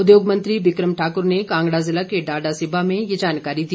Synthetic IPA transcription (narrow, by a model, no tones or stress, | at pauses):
ʊd̪joːɡmɐ̃nt̪ɾibɪkɾəmʈʰaːkʊɾnekãːŋɡɽazɪlakeɖaːɖasɪbʱamẽjɐd͡ʒaːnkaːɾid̪i